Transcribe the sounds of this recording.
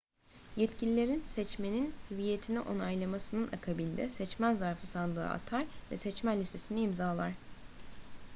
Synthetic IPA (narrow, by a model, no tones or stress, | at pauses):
jɛt̪cilʲilʲe̞ɾinsɛt͡ʃmeninyvije̞t̪ʰiniʔo̞najlˠamasɯnɯnʔakʰabind̪ɛ̰sɛt͡ʃmænzaɾfɯsand̪ˠɯ̰ːa̰t̪ʰaɾvɛ̰sɛt͡ʃmænlːʲist̪ʰːe̞siniimzaːlˠa̰ɾ̥